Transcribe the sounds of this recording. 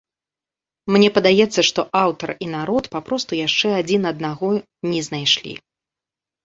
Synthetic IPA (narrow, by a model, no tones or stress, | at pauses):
mnʲɛpɐd̪ajɛt̪sːɐʂt̪ɔʔawt̪ɐrin̪aɾɔt̪papɾɔst̪ujaʂt͡ʂɛad͡zʲinɐd̪̚naɣɔ | nʲɛznajʂlʲḭ